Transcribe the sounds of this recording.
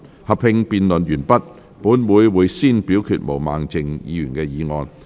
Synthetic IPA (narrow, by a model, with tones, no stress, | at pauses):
hɐ˨p̚hɪ˧ŋpiː˨˧nlɵ˨˩njyː˨˩npɐ˥t̚ | puː˨˥nwuː˨˧jwuː˨˧jsiː˥npiː˨˥wkʰyː˨˩t̚mo˨˩wma̰ː˨˩ŋt͡sɪ˨ŋjḭː˨˧jyː˨˩nkɛː˧jiː˨˧ŋɔː˧n